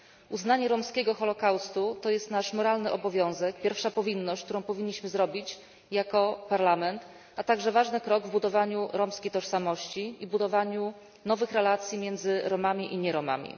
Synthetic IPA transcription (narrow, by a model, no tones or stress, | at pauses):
uznaɲɛɾɔmskʲɛɡɔxɔlɔkawst̪ut̪ɔjɛst̪naʂmɔɾalnɘʔɔbɔvʲjɔ̃w̃zɛkpʲjɛɾfʂapɔvʲinːɔɕt͡ɕ̚ʲk̚t̪uɾɔ̃w̃pɔvʲiɲːiɕmɘzɾɔbʲit͡ɕ | jakɔpaɾlamɛnt̪ | at̪aɡʐɛvaʐnɘkɾɔɡvbud̪ɔvaɲuɾɔmskʲejt̪ɔʂsamɔɕt͡ɕiibud̪ɔvaɲu | nɔvɘxɾɛlat̪sʲjimʲjɛnd̪zɘɾɔmamʲiʔiɲɛɾɔma̰mʲḭ